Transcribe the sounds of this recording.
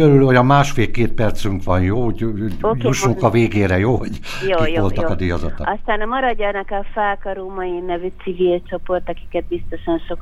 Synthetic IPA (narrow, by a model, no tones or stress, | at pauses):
øɾylhojɒmaːʃfeːlkeːt̪̚pɛrt̪syŋkʋɒnjoː | juʃuŋkɒveːɡeːɾɛjoːhoɟ | joijʋolɒkɒd̪ijɒzɒ̰t̪ɔ̰ɒst̪aːnɒmɒɾɒɟːɔnɛkɛfɛlkɒɾumɒjinɛvyt̪sivilt͡ʃo̞po̞rt̪ɒki̥kɛt̪̚bist̪o̞ʃɒnʃok